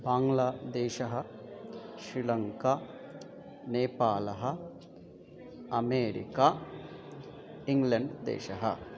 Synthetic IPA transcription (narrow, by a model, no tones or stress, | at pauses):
baːŋlaːd̪eːʃɐɦɐ | ʃɾilɐŋka | neːpaːlɐɦɐ̆ | ɐmeːɾḭka | iŋɡlɐɳɖd̪ḛːʃɐɦɐ̰